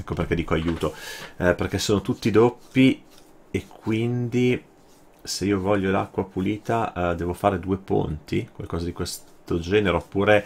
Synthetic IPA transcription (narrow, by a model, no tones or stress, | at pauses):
ɛkːoperk̟ɛd̪iːkoajuːt̪operk̟esːoːnot̪ut̪ːid̪opːi | ekʰːwind̪i | seiːovɔʎːolakːwapuliːt̪ad̪ɛːvofaːɾed̪uːepo̰nt̪ikwalkɔːzad̪ikwest̪od͡ʒɛːneɾeopːuːɾe